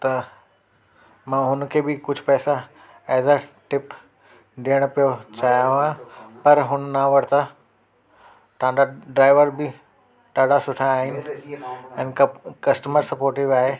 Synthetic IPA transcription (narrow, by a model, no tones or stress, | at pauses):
t̪ɐ | mãːɦʊnkʰeːbɪkʊd͡ʑʱpɛːsa | ɛːzaʈɪp | ɗiəɽ̃pijot͡ɕaːɦijaɦãpɐɾɦʊnnaʋɐɽ̤t̪a | t̪ɐãnd̪aɖɾaːɪʋəɾbɪ | ʈaːɽasʊʈʰaːɦɪnɪ̆ | ɛ̃ːnkɐsʈəməɾsɐpoːɾʈiʋaːɦe